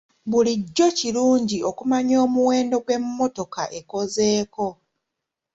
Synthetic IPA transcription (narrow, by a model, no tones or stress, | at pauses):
βuliɟːo̞ciɾuːɲɟio̞kumaɲo̞ːmuwe̞ːndo̞ɡwe̞mːo̞to̞kaʔe̞ko̞ze̞ːko̞